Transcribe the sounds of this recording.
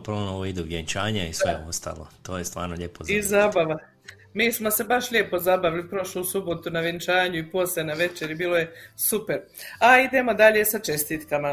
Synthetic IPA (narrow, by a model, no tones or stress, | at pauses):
pɾoonoʋoid̪uʋjeɲt͡ʃaːɲaisʋḛost̪a̰ːlˠo̰t̪oːjest̪ʋa̰ːɾnoʎepozizabaʋa | miːsmo̞se̞baʃʎʲepo̞zabaʋilipɾo̞ʃluːsubo̞t̪unaʋent͡ʃaːɲuiposenaʋe̞t͡ʃeɾibiːloje̞supe̞ɾ | aid̪e̞mo̞d̪aʎe̞sat͡ʃe̞st̪it̪kama